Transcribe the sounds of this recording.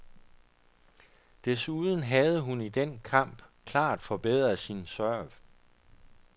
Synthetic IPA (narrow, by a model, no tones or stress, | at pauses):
d̥e̝suðˠn̩ɦæð̞ˠəɦunid̥enkʰɑ̈m̰b̥kʰlɑ̰̈ːd̥fɒ̽b̥eð̰ˠʁɐsinsɶɐ̰ʋ